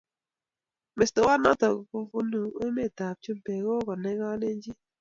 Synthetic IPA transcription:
me˨sto˨wa˦na̰˦tɔ˨ku˦ɡu˦nu˨o˦me˦˨ta˨p̚t͡ʃu˦mpe˨ɡo˦kɔ˨nɛ˦ŋa˦le˦ɲd͡ʒi˦

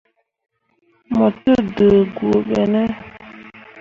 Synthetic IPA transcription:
mə˨tə˦də˨ɡu˨o˨ɓɛ˨nɛ˦

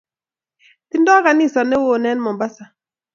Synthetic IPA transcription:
ti˦ndɔ˦ka˨ni˦˨sɔ˨nɛ˦wo˦˨nɛ˦nmɔ˨ba˦sa˨

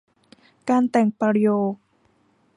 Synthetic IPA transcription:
kaː˧nt̪ɛ˨˩ŋpaː˧ɾi˧joː˧˩

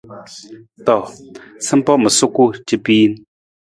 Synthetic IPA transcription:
t̪ɔ˨sə˦mpɔ˦mə˨su˦ku˦˨t͡ɕə˦pi˦jn

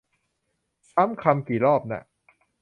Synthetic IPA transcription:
saː˦˥mkʰa˧mkiː˨˩lɔː˥˩p̚na̰˧˩ʔ

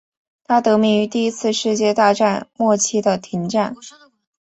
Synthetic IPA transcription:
t̪ʰa˥t̪ɤ˧˥mi˧˥˩y˧˥t̪i˥˩i˥t͡sʰɹ̩˥˧ʂɻ̩˥˧t͡ɕjɛ˥˧t̪a˥˧ʈ͡ʂa˥˧nmwɔ˥˩t͡ɕʰi˥d̪ə˨t̪ʰi˧˥ŋʈ͡ʂa˥˩n

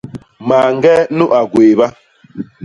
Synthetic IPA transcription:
ma˨ŋ˦˨ɡɛ˦nu˦ʔa˨ɡweː˨ba˦

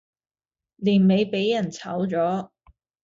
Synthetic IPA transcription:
liː˨˩nme˨˧jpe˨˥jːɐ˨˩nt͡sʰɐ̰˨˥wt͡sɔː˨˥

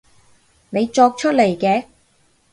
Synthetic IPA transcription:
ne˨˧jt͡ʃɔː˧k̚t͡ʃʰɵ˥t̚le˨˩jkɛː˧

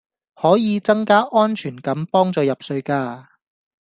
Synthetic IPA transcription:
hɔː˨˥jiː˨˧t͡sɐ˥ŋkaː˥ʔɔː˥nt͡ʃʰyː˨˩nkɐ˨˥mpɔː˥ŋt͡sɔː˨˧jɐ˨p̚sɵ˧ɥkaː˧

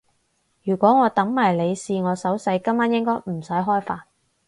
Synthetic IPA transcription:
jyː˨˩kʷwɔː˨˥ŋɔː˨˧t̪ɐ˨˥ŋmaː˨˩jle˨˧jsiː˧ŋɔː˨˧sɐ˨˥wsɐ˨˧jkɐ˥maː˥njɪ˥ŋkɔː˥jm̩˨˩sɐ˨˥jɦɔː˥jfaː˧n

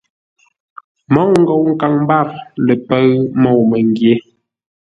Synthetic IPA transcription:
mɔ˦˨wŋ̩˦ɡɔ˨wŋ̩˨ka˨ŋm˦ba˦˨ɾlə˨pə˦ɰmɔ˦˨wmə˨ŋ˦ɡje˦

